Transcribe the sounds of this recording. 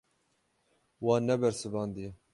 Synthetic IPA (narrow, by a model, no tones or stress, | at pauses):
wɑːnɛbɛɾsɨbɑːnd̪ijɛ